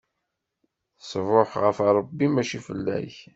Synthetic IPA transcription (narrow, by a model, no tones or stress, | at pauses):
svoħʁəfɑɾˤəbːimæʃifəlːæ̰ç